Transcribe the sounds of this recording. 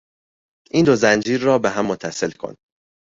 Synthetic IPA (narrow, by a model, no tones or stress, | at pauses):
ʔiːnd̪ozænd͡ʒiːɾːɒːbeɦæmːot̪ʰːæse̞lkʰo̞̰n